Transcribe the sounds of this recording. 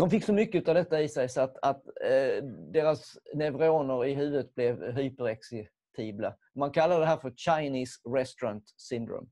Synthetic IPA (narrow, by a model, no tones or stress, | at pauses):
d̪̥ɔmfɪkːsɔmʏkːəʉ̟ːt̪avd̪ɛt̪ːaɪsɛjsɔat̪at̪ | d̪eːɾasnɛvɾoːnəɾɪɦʉ̟ːvəət̪̚blɛvɦyːpəɾaksɛ | t̪ʰiːbla | mankʰalːad̪əd̪ɛɦæːɾfœɾɕaɪniːsɾɛst̪ʊɾant̪sɪnd̪ɾo̰ːm